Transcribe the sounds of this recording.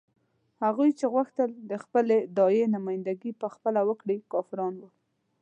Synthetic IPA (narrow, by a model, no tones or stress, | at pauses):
haɣujt͡ʃeɣwaxt̪əld̪əxpəled̪ɑjenamɑjɪnd̪aɡipəxpəlawəkɽikɑfɪɾɑnwəl